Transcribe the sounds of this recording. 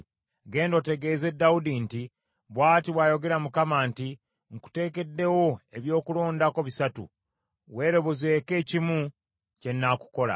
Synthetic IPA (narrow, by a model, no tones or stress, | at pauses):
ɡe̞ːndo̞ːte̞ɡe̞ːze̞dːawudinti | βwaːtiβwaːjo̞ɡe̞ɾamukamaːnti | ŋku̥te̞ːke̞dːe̞wo̞e̞βjo̞ːkulo̞ːndako̞βisatṵ | we̞ːɾo̞βozeke̞ːcimu | ce̞nːaku̥ko̞la̰